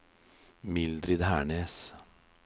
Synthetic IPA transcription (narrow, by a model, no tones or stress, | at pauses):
mɪld̪ɾɪd̪hæːɳeːs